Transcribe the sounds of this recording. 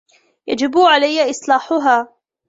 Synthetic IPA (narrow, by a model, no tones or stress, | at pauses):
jad͡ʒɪbʕalajːaʔɪsˤlaːħʊɦaː